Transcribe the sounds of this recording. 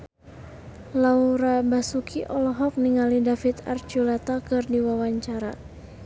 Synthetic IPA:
lauɾabasukʰiʔɔlɔɦɔk̚niŋalidafit̪a̰rt͡ʃulɛt̪akɨrdiwawaɲt͡ʃaɾa

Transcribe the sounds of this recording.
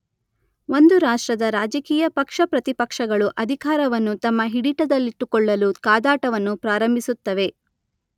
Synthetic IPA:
o̞nd̪uɾaːʂʈɾɐd̪ɐɾaːd͡ʒɐkiːjɐpɐkʂɐpɾɐt̪ipɐkʂɐɡɐɭuʔɐd̪ʱikaːɾɐʋɐnːut̪ɐmːɐɦiɽiʈɐd̪ɐlːiʈːukɔɭːɐlukaːd̪aːʈɐʋɐnːupɾaːɾɐmbʱisut̪ːɐʋe̞

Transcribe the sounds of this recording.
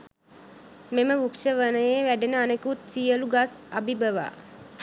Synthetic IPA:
meməʋukʃəʋənəjeʋæɖenəanekut̪sijəluɡasabibəʋa̰ː

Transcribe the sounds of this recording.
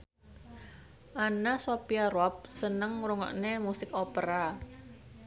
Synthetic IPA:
ʔanasopiaɾɔp̚sənəŋɾuŋɔ̰ʔnemusɪkopəɾa

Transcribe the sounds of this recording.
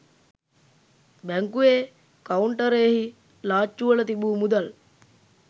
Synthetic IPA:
bæŋkueː | kauɳʈəɾeːhi | laːt͡ʃːuʋələt̪ibuːmud̪al

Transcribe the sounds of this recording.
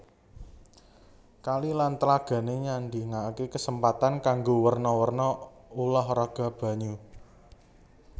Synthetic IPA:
kalilant̪əlaɡ̥ä̤neɲand̪i̤ŋakekəsəmpat̪ankaŋɡowərnɔwərnɔulɔhraɡ̥ä̤b̥ä̤ɲu

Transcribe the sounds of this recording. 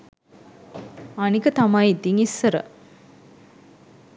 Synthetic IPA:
anikət̪amajit̪iŋisːəɾə̰

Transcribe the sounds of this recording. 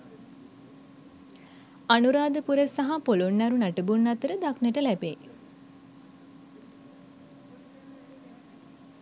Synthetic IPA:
anuɾaːd̪əpuɾəsaɦapolunːaɾunaʈəbunːat̪əɾəd̪aknəʈəlæbḛ

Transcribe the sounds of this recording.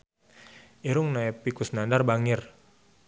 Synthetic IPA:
iɾʊŋnaɛpikusnandarbaŋɪr

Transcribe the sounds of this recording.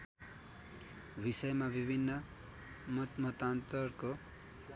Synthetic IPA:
bisʌjmabibʱinːʌ | mʌt̪mʌt̪ant̪ʌrko

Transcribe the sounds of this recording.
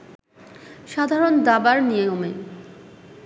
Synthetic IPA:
ʃad̪ʱaɾond̪abaɾnijeome

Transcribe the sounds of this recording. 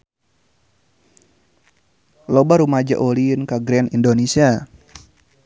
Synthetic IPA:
lobaɾumad͡ʒa̰ʔolinkaɡɾɛnindonesia

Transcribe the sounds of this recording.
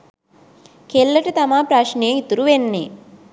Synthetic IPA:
kelːɐʈit̪ɐmaːpɾaːʂnijɐŋit̪ːuɾuʋenːi

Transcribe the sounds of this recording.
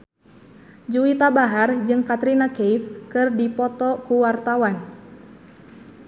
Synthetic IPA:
d͡ʒuit̪abaɦard͡ʒɨŋkat̪ɾinakeifkɨrdipɔt̪ɔkuwart̪awan

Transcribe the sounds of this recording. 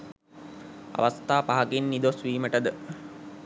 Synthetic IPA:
a̰ʋast̪aːpaɦaɡenːid̪osʋiːməʈəd̪ə

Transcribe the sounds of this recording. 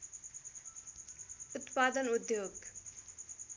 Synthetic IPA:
ut̪pad̪ʌnud̪joːɡ

